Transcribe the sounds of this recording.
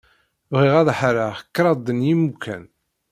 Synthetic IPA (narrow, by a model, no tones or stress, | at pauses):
vʁiʁæðħaɾakːɾˤɑd̪ənjimukʰːæ̰n